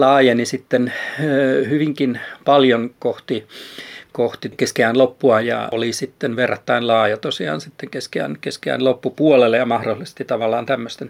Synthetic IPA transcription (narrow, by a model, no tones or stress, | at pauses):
lɑːjenisit̪ːenː | hyʋiŋkinpɑljonkoht̪i | koht̪ikeskeæːnlopːuɑjɑ̰olisit̪ːenʋerːɑt̪ːɑinlɑːjɑt̪osiɑ̰ːnsit̪ːeŋkeskeæ̰ːnkeskeæ̰ːnlopːupuolelːejɑmɑhrolːˑise̥st̪it̪ɑʋɑlːˑɑːnt̪æmːøst̪en